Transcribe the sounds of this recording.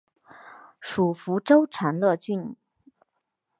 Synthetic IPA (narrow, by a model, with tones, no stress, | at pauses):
ʂu˨˩fu˧˥ʈ͡ʂo˥ʊʈ͡ʂʰa˧˥nlɤ˥˧t͡ɕy˥˩n